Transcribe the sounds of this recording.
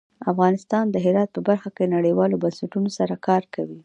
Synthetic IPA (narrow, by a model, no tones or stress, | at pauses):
afɣɑnɪst̪ɑnd̪əɦɪɾɑt̪̚pəbaɾxakenaɽəjwɑlobansɪʈunosaɾakɑɾkawi